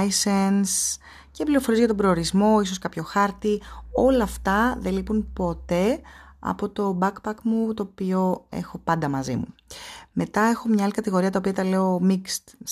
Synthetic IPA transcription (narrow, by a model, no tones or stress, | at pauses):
jsens | ce̞pliɾo̞fo̞ɾizʝɐt̪o̞bɾo̞ːɾizmo̞is̬oskɐpço̞xɐɾt̪io̞lɐːft̪ɐðe̞lipunpo̞t̪e̞ɐ̰po̞t̪o̞bɐkpɐkmut̪o̞ːpio̞ḛxo̞pɐnd̪ɐmɐzḭmume̞t̪ɐe̞xo̞mɲɐɐlikɐt̪iɣo̞ɾiɐt̪ɐopiɐt̪ɐle̞omikst̪